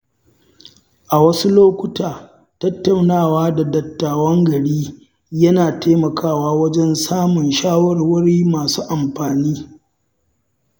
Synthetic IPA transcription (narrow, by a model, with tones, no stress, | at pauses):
ʔa˨wɐ˦su˦loː˦kʷʊ˦taː˨ | tɐ˦tːa˨wnaː˦˨waː˦da˨dɐ˨tːaː˨wɐ˦ŋɡɐ˨ɽiː˦ | jɐ˦naː˨taː˦mɐ˨kʰaː˦˨waː˦wɐ˦d͡ʒɛ˦nsaː˦mʊ˨nʃaː˦wɐ˦˨rwʊ˦ɽiː˦maː˨suː˦ʔa˨mɸaː˨niː˦